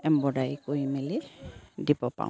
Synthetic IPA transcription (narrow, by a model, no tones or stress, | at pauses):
ɛmbɔɖajkojmelidibɔpã̰